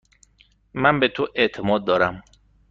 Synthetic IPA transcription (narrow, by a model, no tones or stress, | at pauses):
mænbet̪ʰoʔeʔt̪ʰemɒːd̪̚ːɒːɾæm